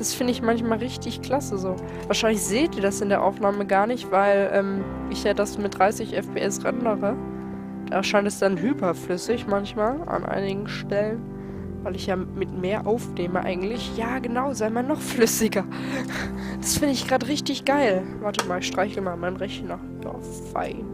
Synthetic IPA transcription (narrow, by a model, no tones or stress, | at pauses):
d̥asfɪndəɪçmançmaːlʁɪçtɪçkl̥asəzoː | vaːɐʃaɪnlɪçz̥eːtd̥iːɐdasɪndeːɐʔa̰ʊfnaːməɡaːɐnɪçtv̥aɪlʔɛːm | ʔɪçjaːdasmɪt̚d̥ʁaɪsɪçʔɛfpʰeːʔɛsʁɛndəʁə | d̥aːʃaɪntɛsd̥anɦyːpɐflʏsɪçmançmaːla̰nʔa̰ɪnɪɡŋ̩ʃtɛlən | vaɪlɪçjaːmɪtmeːɐʔaʊfneːməʔa̰ɪɡŋ̩tlɪçjaːɡənaʊzaɪmanːɔχflʏsɪɡɐ | d̥asfɪndəɪçɡ̥ʁaːtəʁɪçtɪçɡ̥aɪlvaɐtəmaːlɪçʃtʁ̥aɪçl̩maːlmaɪnʁɛçnaːχd̥ɔ̰ɐffa̰ɪn